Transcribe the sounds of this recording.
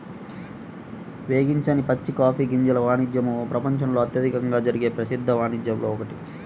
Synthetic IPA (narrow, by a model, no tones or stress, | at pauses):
ʋe̞ːɡiɲt͡ʃaːnipɐt͡ʃːikaːpʰiːɡiɲd͡ʒɐlɐʋaːnid͡ʒjɐmupɾɐpɐɲt͡ʃɐmlo̞ːɐt̪jɐd̪ʱikɐŋɡaːd͡ʒɐɾiɡe̞ːpɾɐsid̪ʱːɐʋaːnid͡ʒ̪jɐmlo̞ːɔkɐʈi